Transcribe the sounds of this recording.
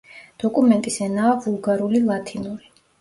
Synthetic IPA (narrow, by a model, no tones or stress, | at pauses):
d̪̥ɔkʼumɛnt̪ʼisɛnaːvulˠɡaɾulilˠat̪ʰinuɾi